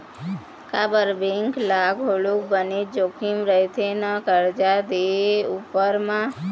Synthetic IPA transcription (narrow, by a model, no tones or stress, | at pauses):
kabəɾbẽŋklaɡoɭukbəned͡ʒokʰimɾəɦit̪ʰenəkəɾd͡ʒad̪eupəɾmã